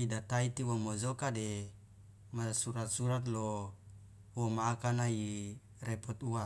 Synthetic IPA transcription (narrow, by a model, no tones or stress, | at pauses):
idat̪ait̪iwomozokade | masuɾat̪̚suɾat̪̬lo | womakanai | repɔt̪ua